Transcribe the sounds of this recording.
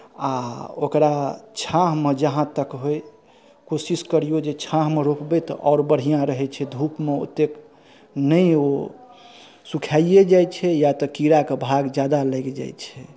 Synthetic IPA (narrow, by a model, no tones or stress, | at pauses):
aokɾat͡ʃʰãɦmed͡ʒəɦãt̪əkɦoj | kosiskəɾijod͡ʒet͡ʃʰãɦmeɾokbɛt̪ɔʔɔʊɾbəɽ̤ijãɾəɦɛt͡ʃʰɛd̪ʱupmeo̰t̪ːek | nəjo | sukʰaijed͡ʒajt͡ʃʰɛjat̪ɔkiɾakebʱaɡd͡ʒjad̪aləɡed͡ʒa̰jt͡ʃʰɛ